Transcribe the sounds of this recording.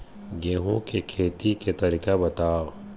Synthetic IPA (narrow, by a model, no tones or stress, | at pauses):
ɡeːɦõkekʰeːt̪iket̪ɐɾikabɐt̪aːo